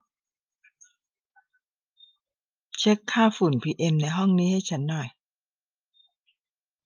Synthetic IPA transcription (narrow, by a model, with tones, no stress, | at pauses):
t͡ɕʰe˦˥kʰːaː˥˩fu˨˩npʰiː˧ʔe˧mna˧jɦɔ˥˩ŋniː˦˥ha˥˩jt͡ɕʰa˦˥nːɔ˨˩j